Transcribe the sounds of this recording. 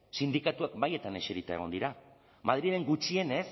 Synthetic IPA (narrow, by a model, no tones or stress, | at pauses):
sind̪ikat̪uak̚baje̞t̪ane̞ʃeɾit̪a̰e̞ɣ̞o̞nd̪iɾa | mað̞ɾieɾe̞ŋɡut͡ʃie̞ne̞s